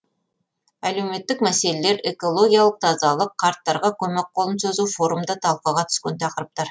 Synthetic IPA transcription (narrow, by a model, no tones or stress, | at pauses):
æleme̞t̪ːɪkmæse̞leleɾeko̞lˠo̞ɡʲijalˠəq̚t̪ʰɑzɑlˠəqʰːɑɾt̪ːɑɾʁɑkʲʰɵmek̚qʰːo̞lˠənsozuwfo̞ɾumd̪ɑt̪ʰɑlˠqɑʁɑt̪ʰʏ̥skʲent̪ʰɑqəɾəp̚t̪ɑɾ